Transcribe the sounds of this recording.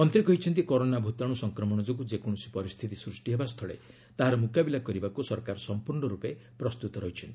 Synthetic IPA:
mɔnt̪ɾikɔɦit͡ʃʰɔnt̪ikɔɾonabʱut̪aɽ̃usɔŋkɾɔmɔɽ̃ɔd͡ʒoɡud͡ʒekɔɽ̃ɔsi̥pɔɾist̪ʰit̪isɾusʈiɦebast̪ʰɔɭḛ | t̪aɦaɾɔmukabilakɔɾibakusɔɾkaɾɔsɔmpuɾɳɔɾupepɾɔst̪ut̪ɔɾɔɦit͡ʃʰɔnt̪ii

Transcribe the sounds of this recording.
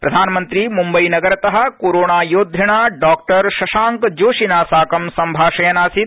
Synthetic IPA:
pɾɐd̪ʱaːnmə̃nt̪ɾimumbɐinɐɡɐɾt̪ɐɦɐ̆koːɾoːɳaːjoːd̪ʱɐɽ̃aːɖaːk̚ʈɐɾʃɐʃaːŋkd͡ʒoːʃinaːsaːkɐmsɐmbʱaːʃɐjɐnaːsit̪̚

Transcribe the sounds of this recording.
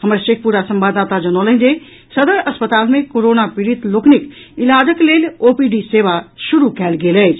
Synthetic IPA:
hɐməɾʃeːk̚ʰpuːɾasɐ̃mbad̪aːt̪ad͡ʑɐnoːləɦɪ̃d͡ʑe | sɐd̪əɾɐspət̪aːlmẽkoɾoːnapɪɾit̪loːkʰnɪk | ɪlaːd͡ʑəkleːloːpiɖiseːʋaʃʊɾukɛːlɡeːləe

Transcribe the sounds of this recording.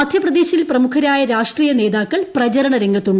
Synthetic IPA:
ɐd̪ʱjɐprɐd̪eːɕilprɐmukʰɐɾaːjɐɾaːʂʈriːjɐne̞ːðaːkːɐɭprɐt͡ɕɐɾɐɳɐɾeŋɡɐt̪ːuɳɖ

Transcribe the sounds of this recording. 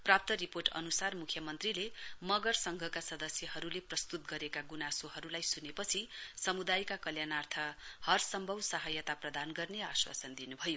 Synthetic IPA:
prap̚t̪ʌɾiporʈʌ̰nusarmukʰjʌmʌnt̪rilemʌɡʌrsʌŋɡʱʌkasʌd̪ʌsjʌɦʌɾuleprʌst̪ut̪̚ɡʌɾekaɡunasoɦʌɾulajsunepʌt͡sʰisʌmud̪ajkakʌljanart̪ʰʌhʌrsʌmbʱʌwsʌɦʌjʌt̪aprʌd̪anɡʌrneaswa̰sʌnd̪inubʱʌjo

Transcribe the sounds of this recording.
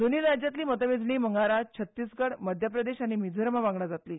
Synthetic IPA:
d̪oniːɾad͡ʑjat̪liːmət̪əʋed͡zɳiːməŋɡaɾat͡ɕʰət̪ːiːsɡəɽməd̪ʱjəp̬ɾəd̪eɕaɽ̃imid͡zʱəɾmaʋãŋɡɽad͡zat̪liː

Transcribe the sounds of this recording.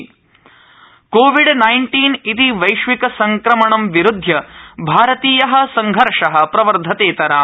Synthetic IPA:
koːʋiɖnɐjɳʈiːnit̪iʋɐjʂʋikɐsɐŋkɾɐmɐɳɐmʋiɾud̪ʱjɐbʱaːɾɐt̪iːjɐɦɐ̆sɐŋɡʱɐɾʂɐɦɐ̆pɾɐʋɐɾd̪ʱɐt̪eːt̪ɐɾaː

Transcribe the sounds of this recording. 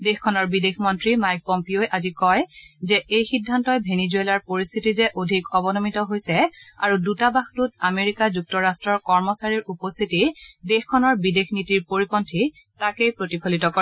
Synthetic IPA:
dexkʰːɔnɔɹbidexmɔntɹimajk̚pɔmpioɛʔazikɔjzɛʔejxidʱːantɔjbʱenizuelaɹpoɹist̪ʰitizɛʔodʱikɔbɔnɔmitɔɦojsɛa̰ɹudutabaxtutameɹikazuk̚tɔɹastɹɔɹkɔɹmɔsaɹiɹupɔst̪ʰitidexkʰːɔnɔɹbidexʰnitiɹpoɹipɔntʰi | takejpɹotipʰolitɔkɔɛ

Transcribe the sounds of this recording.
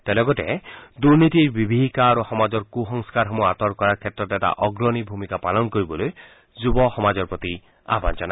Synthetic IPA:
t̪elɔɡɔtɛ̰d̪uɾnit̪iɾbibʱiɦikaːɾoxɔmad͡ʒɔɾkuɦɔŋskaɾɦɔmuat̪ɔɾkɔɾaɾkʰet̪ɾɔtɛta̰ʔɔɡɾɔnibʱumikapalɔnkoɾibɔloj | zubɔxɔmad͡ʒɔɾpɹɔt̪i | a̰ba̰nd͡ʒɔna

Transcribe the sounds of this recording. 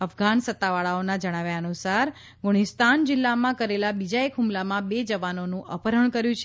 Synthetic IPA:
əfɡansət̪ːaʋaɭaonad͡ʒəɽ̃aʋjaənusaɾ | ɡuɽ̃ist̪and͡ʒɪlːamãkəɾelabid͡ʒaekɦumlamãbed͡ʒəʋanonũʔəpəɾəɳ̃kəɾjũt͡ʃʰe

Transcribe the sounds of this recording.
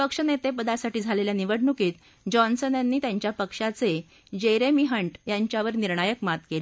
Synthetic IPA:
pəkʂənet̪epəd̪asaʈiːd͡zʱaleljaniʋəɽɳukiːt̪ | d͡ʑɔnsənjanːiːt̪jaɲt͡ɕjapəkʂat͡se | d͡ʑeɾemiɦəɳʈjaɲt͡ɕjaʋəɾniɾɳajəkmat̪kele

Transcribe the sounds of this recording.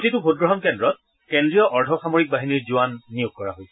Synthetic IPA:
titʊbʱot̚ɡɹɔɦɔnkɛndɹɔt̚ | kendɹijɔʔɔɹdʱɔxamoɹik̚baɦiniɹzuwanːijʊɡ̚kɔɹa̰ɦojsɛ

